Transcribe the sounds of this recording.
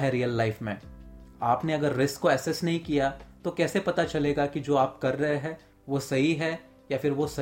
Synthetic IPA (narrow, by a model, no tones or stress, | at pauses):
ɦɛɾijəlːaɪfmẽːaːpneɐɡəɾːɪskːoɛːsɛsnɐɦĩkijat̪okɛːsepɐt̪at͡ʃɐleːɡakid͡ʒoːaːpkɐɾːɐɦeɦɛ̃ː | ʋosɐɦiɦɛ | jafɪɾʋosɐ